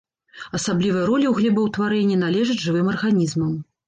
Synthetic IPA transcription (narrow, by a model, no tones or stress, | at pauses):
ɐsablʲivɐjɐɾɔlʲiwɣlʲɛbɐwt̪vaɾɛnʲːin̪alʲɛʐɨd͡zʲʐɨvɨmɐrɣanʲizmɐm